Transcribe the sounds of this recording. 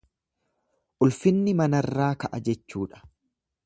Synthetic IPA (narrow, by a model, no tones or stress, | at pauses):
ʔʊlfɪnːɪmɐnɐrːaːkɐʔɐd͡ʒɛt͡ʃːuːᶑɐ̥